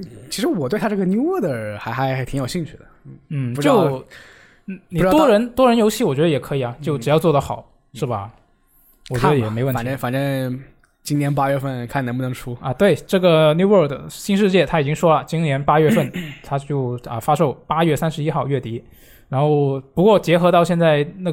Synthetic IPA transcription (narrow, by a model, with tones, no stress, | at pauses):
t͡ɕʰi˧˥ʂɻ̩˧˥wɔ˨˩t̪we˥˧ɪtʰa˥˧ʈ͡ʂɤ˥˩ɡə˩nju˥wɔ˥d̪ə˨˩xa˧˥ɪxa˧˥ɪ˧˥˩t̪ʰi˧˥ŋjo˨ʊɕi˥˧ŋt͡ɕʰy˥˩d̪ə˩n̩˥˩u˧t͡ɕjo˥˩ʊ˩ | ni˨˥wɔ˥ɻə˧˥nt̪wɔ˥ɻə˧˥njo˧˥ʊɕʰi˥˩wɔ˨˩t͡ɕɥɛ˧˥d̪ə˧jɛ˨˩kʰɤ˧˥i˨˩ɐ˩t͡ɕjo˥˩ʊʈ͡ʂɻ̩˨˩jɑ˥˧ʊt͡swɔ˥˩d̪ə˩xɑ˨˩˦ʊ | ʂɻ̩˥˩bɐ̰˩ | wɔ˨˩t͡ɕɥɛ˧˥d̪ə˧jɛ˨˩me˧˥ɪwə˥n˨˩n˥fa˨˩nʈ͡ʂə˥n | t͡ɕi˥ŋnjɛ˧˥np̬a˥ɥɛ˥˧fə˥˩nkʰa˥˩n˧˥pu˥˩n˧˥ŋʈ͡ʂʰu˥ɐ˧t̪we˥˩ɪʈ͡ʂɤ˥˩ɡə˩nju˥wə˞˥˩kd̪ə˩ɕi˥˧nʂ̬ɻ̩˥˧t͡ɕjɛ˥˩t̪ʰa˥i˨˩t͡ɕi˥ŋʂwɔ˥lə˨˩t͡ɕi˥njɛ˧˥npa˥ɥɛ˥˧fə˥˩nt̪ʰa˥t͡ɕjo˥˩ʊə˧fa˥ʂo˥˩ʊpa˥ɥɛ˥˩sa˥nʂɻ̩˧˥i˥xɑ˥˧ʊɥɛ˥˩t̪i˥ | ɻa˧˥nxo˥˧ʊpu˧˥kwɔ˥˧t͡ɕjɛ˧˥xɤ˧˥t̪ɑ˥˧ʊɕjɛ˥˧nt͡sa˥˧ɪna˥˩